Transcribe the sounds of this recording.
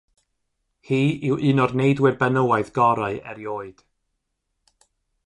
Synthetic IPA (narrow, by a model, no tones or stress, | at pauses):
hiːɪwʔɨnɔdnejdwɪrbɛnəwaɨðɡɔɾaɨɛ̰ɾjoːɨd̥